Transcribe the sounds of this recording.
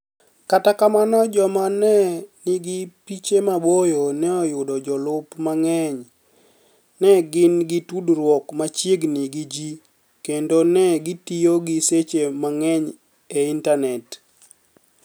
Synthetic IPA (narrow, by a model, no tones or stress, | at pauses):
katakamanɔd͡ʒɔmanɛnɪɡɪpit͡ʃemabojonɛɔjʊdɔd͡ʒɔlʊpmaŋɛɲ | nɛɡɪnɡɪtudɾwɔkmat͡ʃjeɡniɡid͡ʒi | kendonɛɡɪtijoɡiset͡ʃemaŋɛɲ | eintanɛt